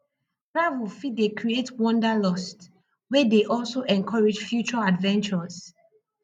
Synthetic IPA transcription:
tɹavulfidekɹietwɔ̃ndəlɔst | wɛdeʔɔlˠsoʔɛ̃nkʰɔɹed͡ʒfjut͡ʃɔadvɛ̃nt͡ʃəz̥

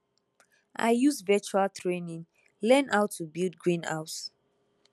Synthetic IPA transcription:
ʔa̰ɪjusvɛt͡ʃualtʰɹenĩŋ | lɛ̃naʊtʰːubildɡɹĩna̰ʊt

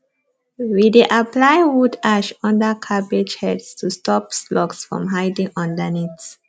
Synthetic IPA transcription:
wideʔaplajwudaʃɔ̃ndəkʰabed͡ʒhɛdstustɔpslɔksfɹɔ̰̃mɦaɪdĩŋɔ̃ndənits

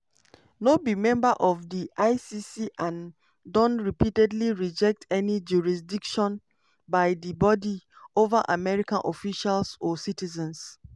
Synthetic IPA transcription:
nobimɛ̃mbaʔɔfdiʔaɪsisiʔãn | dɔ̃nɹipitɛdliɹid͡ʒɛk̚tʰɛnid͡ʒuɹis̬dikʃɔ̃n | baɪdibɔdi | ovaʔamɛɹikãnʔɔfiʃalsɔsitizɛ̃ns

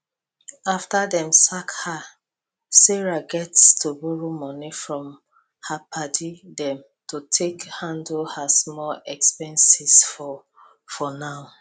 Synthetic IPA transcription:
aftadɛ̃msakha | seɹaɡɛtstʰubuɹumɔnifɹɔ̃m | hapʰadidɛ̃m | totʰekhãndhasmɔlɛkspɛ̃nsisfɔ | fɔnaʊ

